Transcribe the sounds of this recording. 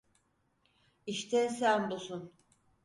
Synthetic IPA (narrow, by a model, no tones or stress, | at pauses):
iʃt̪ʰɛsænd̪osun